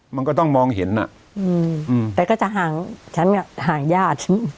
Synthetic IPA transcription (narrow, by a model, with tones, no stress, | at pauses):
ma˧nkɔː˥˩t̪ɔ˥˩ŋmɔː˧ŋɦe˩˦nːa̰˨˩ | ʔɯː˧˩mʔɯː˧t̪ɛː˨˩kɔ˥˩t͡ɕa˨˩ɦaː˨˩ŋt͡ɕʰa˦˥nka˨˩haː˨˩ŋjaː˥˩t̪̚